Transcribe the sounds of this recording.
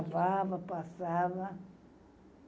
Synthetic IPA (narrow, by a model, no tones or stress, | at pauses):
vaβapʼasaβa